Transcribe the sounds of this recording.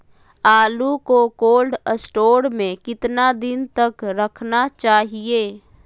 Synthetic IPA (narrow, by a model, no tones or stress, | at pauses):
aːlukokoːlɖəsʈoːɽmẽkɪt̪nad̪ɪnt̪ɐkɾəkʰnat͡ʃaːɦieː